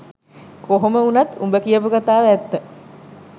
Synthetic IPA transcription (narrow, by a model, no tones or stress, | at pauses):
koɦoməunat̪umbəkijəpukat̪aːʋæt̪ːə